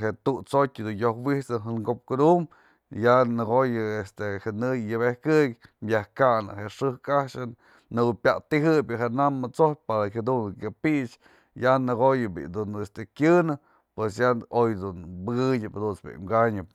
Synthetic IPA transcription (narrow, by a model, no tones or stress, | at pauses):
ɦeʔt̪ut͡sotʲɨd̪unjohwiht͡sɨɦɨnɡop̚kud̪um | janɨɡojɨest̪ehenɨjjɨβehkɨkmjahkanɨ̰ɦeʔʂɨhkaʃɨn | nɨbɨpʲjat̪iɦɨbʲɨɦeʔnamːɨt͡sopaɾahʲad̪unkʲapiʔt͡ʃ | janɨɡojɨbḭd̪unest̪ekʲɨnɨ | pwesjaojd̪unbɨɡɨɲʲɨpd̪unsbḭʔmɡaɲɨp̚